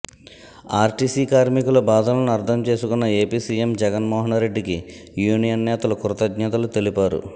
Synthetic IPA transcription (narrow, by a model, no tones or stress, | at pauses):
aːɾʈiːsiːkaːɾmikulubaːd̪ʱɐːlɐnuɐɾt̪ʰɐmt͡ʃe̞ːsukunːɐe̞ːpiːsiːemd͡ʒɛɡɐnmɔːɦɐnɾe̞ɖːiki | juːnijɐnːɛːt̪ɐlukuɾɐt̪ɐɡ̪ɲɐt̪ɐlut̪e̞lipaːɾṵ